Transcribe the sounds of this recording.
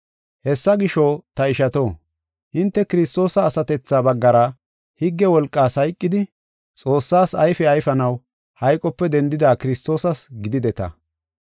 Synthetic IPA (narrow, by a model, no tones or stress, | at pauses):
hɛsːɐɡɪʃot̪ɐɪʃɐt̪o̞ː | ʔɪnt̪ːɛkɪɾɪst̪ʼːo̞ːsɐːsɐt̪ɛt͡sːaːbɐɡːɐɾɐ | hɪɡːɛwɔlkʼːaːshɐjkʼːɪd̪ɪ | t͡sʼo̞ːsːaːsɐjfɛɐjfɐnɐw | hɐjkʼɔpːɛd̪ɛnd̪ɪd̪aːkɪɾɪst̪ːo̞ːsɐsɡɪd̪ɪd̪ɛt̪ɐ̰